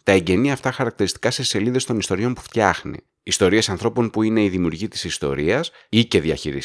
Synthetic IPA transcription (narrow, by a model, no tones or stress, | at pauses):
t̪ɐe̞ɲɟe̞niɐft̪ɐxɐɾɐk̚t̪eɾist̪i̥kɐse̞se̞liðe̞st̪o̞nist̪o̞ɾio̞npu̥ft̪çɐ̰xnḭːst̪o̞ɾie̞sɐnθɾo̞po̞npuine̞iðimiuɾʝit̪i̥sist̪o̞̰ɾiɐs | ice̞ðiɐ̰çiɾḭs